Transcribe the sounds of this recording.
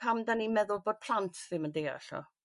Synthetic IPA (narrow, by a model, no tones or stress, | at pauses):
amdanimɛðʊlˠboːd̥̚pʰl̥antʰvɪmandea̰ɬɔ̰